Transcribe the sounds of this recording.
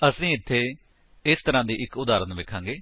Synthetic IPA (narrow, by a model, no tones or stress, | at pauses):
əsĩːɪt̪ʰːeː | ɪst̪əɾãːd̪iːʔɪkʊd̪aːɾənʋekʰãːŋɡeː